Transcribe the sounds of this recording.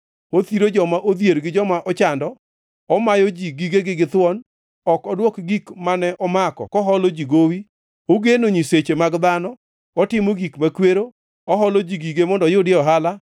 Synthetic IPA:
ot̪iɾod͡ʒɔmaʔod̪jeɾɡɪd͡ʒɔmaʔɔt͡ʃandɔ | ɔmajɔd͡ʒiɡiɡeɡɪɡɪt̪wɔn | ɔkɔdwɔkɡikmanɛʔɔmakɔ̰kɔɦɔlɔd͡ʒiɡowi | oɡenoɲiset͡ʃemaɡd̪anɔ | ɔtɪmɔɡikmakweɾo | ɔɦɔlɔd͡ʒiɡiɡemɔndɔjʊdɪɔɦala

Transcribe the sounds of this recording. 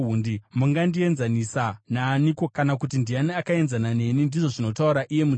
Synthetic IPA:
undimuŋɡandie̞nzanisanaːniko̞kanakutindianiakae̞nzanane̞nindiʐo̞ʐino̞tauɾaʔije̞mu

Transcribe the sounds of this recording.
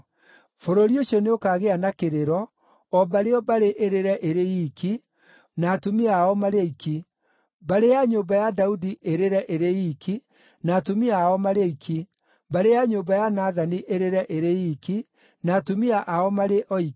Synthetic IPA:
foɾoɾioɕɔneokaɣeanakeɾeɾɔ | ɔbaɾeɔbaɾeʔeɾeɾɛʔeɾejiki | naːtumaɔmaɾeikʰi | baɾejaɲobajadaudiʔeɾeɾɛʔeɾeiki | naːtumiaɔmaɾeikʰi | baɾeaɲoːbajanaðaniʔeɾeɾɛʔeɾeiki | naːtumiaʔaɔmaɾeʔɔi

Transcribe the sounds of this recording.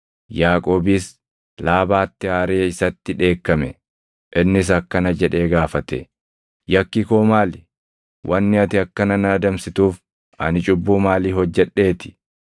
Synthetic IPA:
jaːkʼoːbis | laːbaːt̪ːɪaːɾe̞ːɪsɐt̪ːɪᶑe̞ːkːɐmɛ | ʔɪnːɪs̬ɐkːɐnɐd͡ʒɛᶑe̞ːɡaːfɐt̪ɛ̰ | jɐkːɪkoːmaːlɪ | wʔɐnːɪɐt̪ɪɐkːɐnɐnɐɐd̪ɐmsɪt̪uːf | ɐ̰nɪt͡ʃʼʊbːuːmaːliːhɔd͡ʒːɛᶑːe̞ːt̪ɪ̥

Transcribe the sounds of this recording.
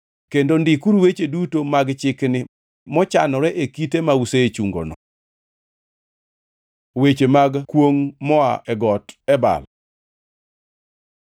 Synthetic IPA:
kendondɪkuɾwet͡ʃedutomaɡt͡ʃɪknɪ | mɔt͡ʃanɔɾɛʔekitemauset͡ʃuŋɡo̰nɔ | wet͡ʃemaɡkwoŋmɔa̰ʔɛɡɔtɛba̰l

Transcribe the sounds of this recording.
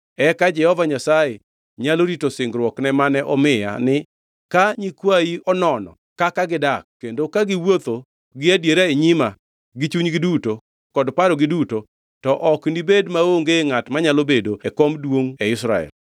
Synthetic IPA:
ɛkad͡ʒɛhɔvaɲasaje | ɲaloɾitosɪŋɡɾwɔknɛmanɛʔɔmɪja̰nɪ | kaɲikwajiɔnɔnɔ̰ | kakaɡɪdak̚ːendokaɡɪwot̪o | ɡɪadjeɾeeɲima | ɡɪt͡ʃuɲɡɪduto | kɔdpaɾɔɡɪduto | tɔʔɔkndibedmaoŋɡeŋatmaɲalobedoɛkomdwoŋɛɪsɾa̰ɛ̰l

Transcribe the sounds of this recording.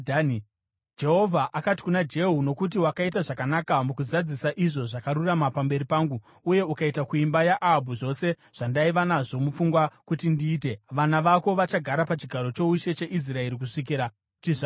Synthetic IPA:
d͡ʒe̞ɦo̞vʱaʔakati̥kunad͡ʒe̞ɦuno̞kut̬iwakaitaʐakanakamukuzad͡zisaʔiʐo̞ʐakaɾuramapambe̞ɾipaːŋɡu | uje̞ukaitakuimbajaʔaɦabʱuʐo̞se̞ | ʐ̥andaiʋanaʐo̞mufuŋɡwakutindiːte̞ʋanaʋako̞ʋat͡ʃaɡʱaɾapat͡ʃiɡʱaɾo̞t͡ʃo̞uʃe̞t͡ʃe̞ʔis̬rae̞ɾik̬uʂik̬iːɾa | tiʐa

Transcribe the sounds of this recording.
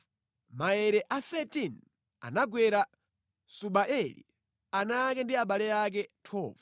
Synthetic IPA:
maɛɾɛʔaθɛtin | a̰naɡwɛɾa | suɓaʔɛlḭ | anak̬ɛndiaɓalɛjak̬ɛtʰɔːv

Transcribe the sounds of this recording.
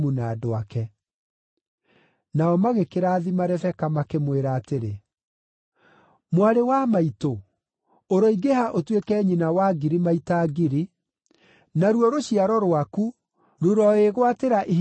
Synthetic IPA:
munaːdoakɛ | naɔmaɣekeɾaːðimaɾɛfɛkamakemweɾaːteɾe | mwaɾewamaito | oɾɔiɡehaʔotwekɛːɲinawaɡiɾimaitaɡiɾi | naɾwɔɾoɕiaɾɔɾwaku | ɾoɾɔeɣwateɾaʔi

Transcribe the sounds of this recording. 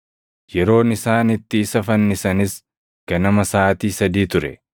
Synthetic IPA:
jɛɾo̞ːnɪsaːnɪt̪ːɪːsɐfɐnːɪsɐnɪs | kɐnɐmɐsaːt̪iːsɐd̪iːt̪ʊɾɛ̰

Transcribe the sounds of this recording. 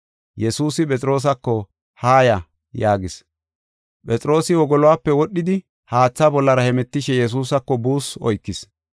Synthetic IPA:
jɛsuːsɪpʼɛt͡sʼɾo̞ːs̬ɐkːɔ | haːjɐ | jaːɡɪs | pʼɛt͡sʼɾo̞ːsɪwɔɡɔlɔwaːpːɛwɔɗːɪd̪ɪ | haːt͡sːabɔlːɐɾɐhɛmɛt̪ːɪʃɛjɛs̬uːsɐkːɔbuːsɔjkːɪs

